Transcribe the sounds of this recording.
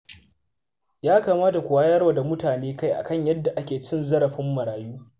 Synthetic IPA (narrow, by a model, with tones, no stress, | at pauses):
jaː˦kaː˨maː˦ta˨kʷʊ˨waː˦jɐ˦ɽwaː˨da˨mʊ˦taː˨neː˦ka˦jʔa̰˨kɐ˦˨ɲjɐ˦dːa˨ʔa˦kʲeː˨t͡ʃɪ˦nzɐ˦ɽɐ˨ɸɪ˦mːɐ˨ɽaː˨juː˦